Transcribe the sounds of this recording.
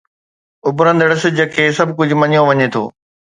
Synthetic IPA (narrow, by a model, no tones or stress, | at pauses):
ʊbɾə̃nd̪əɽɪsɪd͡ʑəkʰeːsɐbʱkʊd͡ʑʱʊ̆mɐɲijõʋɐɲet̪ʰo̰ː